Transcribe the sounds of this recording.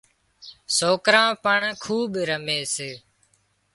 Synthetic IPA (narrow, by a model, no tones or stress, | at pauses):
soːkɾãːpəɳkʰuːɓɾəmeːseː